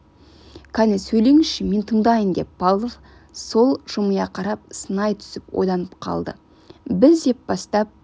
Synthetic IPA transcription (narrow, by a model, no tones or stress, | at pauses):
kʰɑnesɵjle̞ŋɪʃɪme̞nt̪ʰəɴd̪ɑjəmd̪e̞pːɑlˠːov | so̞lˠʒ̥ʊməjɑqʰɑɾɑp̚sənɑjt̪ʰʏ̥sɪpwo̞̰jd̪ˠɑnəpqʰɑ̰lˠd̪ə̰ | bɪzd̪e̞p̚bɑst̪ɑp̚